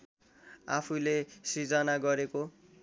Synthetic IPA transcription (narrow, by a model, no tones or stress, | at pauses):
apʰulesit͡sʌnaɡʌɾeko